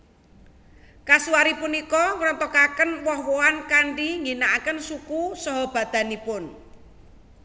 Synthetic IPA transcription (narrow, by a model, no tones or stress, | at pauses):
kasuwaɾipunikɔŋɾɔnt̪ɔkakənwɔhwoankaɳɖiŋinaʔakənsukusɔɦɔb̥ä̤d̪̥a̤nipʊn